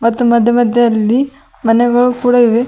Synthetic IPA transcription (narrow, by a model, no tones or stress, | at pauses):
mɐt̪ːumɐd̪ʱjɐmɐd̪ʱjɐɐlːi | mɐnɛɡɐɭukuːɽɐiʋe